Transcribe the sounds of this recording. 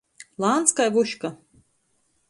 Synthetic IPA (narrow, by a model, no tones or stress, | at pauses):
lˠant̪skajvuʃka